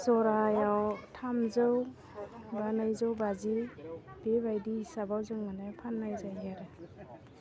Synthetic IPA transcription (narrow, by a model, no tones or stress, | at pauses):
sɔɾajawtʰamzɯw | banajzɯwbazib̥ebajdiisabawzɯwmanajpʰanːajzajɦaɾɯ